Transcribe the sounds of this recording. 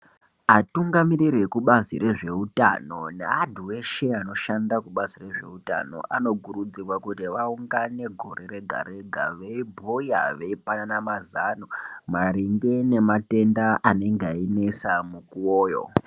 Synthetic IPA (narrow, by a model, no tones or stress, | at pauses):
atuŋɡamiriɾekuɓaziɾe̞ʐe̞uta̰no̞neadʱuwe̞ʃeano̞ʃandakuɓazire̞ʐe̞̰uta̰no̞̰ʔano̞ɡʱuɾud͡zirwakutiʋauŋɡane̞ɡʱo̞ɾe̞ɾe̞ɡʱa̰ɾe̞ɡʱa̰ʋeibʱuja̰ʋe̞ipananamazanomaɾiŋɡene̞mate̞ndaʔane̞ŋɡaine̞samukuoːjo̞̰